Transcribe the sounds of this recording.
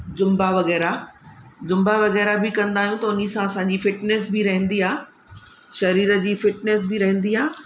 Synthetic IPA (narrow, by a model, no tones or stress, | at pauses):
zʊ̃mbaʋɐɣɛːɾa | zʊ̃mbaʋɐɣɛːɾabɪkɐ̃nd̪aːɦijũt̪ɐʊnisãɐsãːɲd͡ʑifɪʈnesbɪɾɐɦə̃n̆d̪iaː | ʃɐɾiːɾə̆d͡ʑiːfɪʈneːs̬bɪɾɐɦə̃nd̪iaː